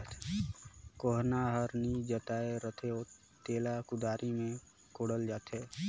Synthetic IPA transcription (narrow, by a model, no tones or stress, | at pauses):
t̪ | koːɦnaɦəɾnid͡ʒət̪aːeɾət̪ʰeo | t̪eːlakʊd̪aːɾʔimẽ | koːɽəld͡ʒaːt̪eː